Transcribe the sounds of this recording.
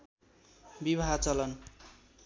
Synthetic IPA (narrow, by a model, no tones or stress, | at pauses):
bibʱaɦt͡sʌlʌn